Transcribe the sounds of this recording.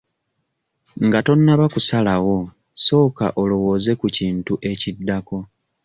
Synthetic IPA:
ŋɡato̞nːaβakusalawo̞ | so̞ːka̰ʔo̞lo̞wo̞ːze̞kuciːntuʔe̞cidːako̞

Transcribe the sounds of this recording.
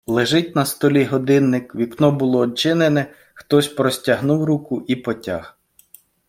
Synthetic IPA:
lˠeʒɪt̚ʲnɐst̪ɔlʲiɦɔd̪ɪnːɪkʋʲiknɔbʊlˠɔːt͡ʃɪnenɛ | xt̪ɔsʲpɾɔsʲtʲɐɦnuwɾukʊʔipɔtʲa̰h

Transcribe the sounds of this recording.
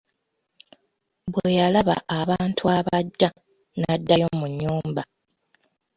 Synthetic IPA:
bwe̞jalaβa̰ːβaːntʰuaβaɟːa | nadːajo̞muɲːuːmba

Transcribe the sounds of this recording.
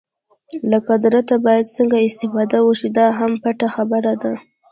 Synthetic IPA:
lakad̪ɾat̪abɑjad̪səŋɡaɪst̪ɪfɑd̪awəʃid̪ɑɦampaʈaxabəɾad̪a

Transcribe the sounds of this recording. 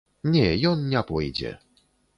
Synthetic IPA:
ɲʲɛjɔnːʲapɔjd͡ʑɛ̰

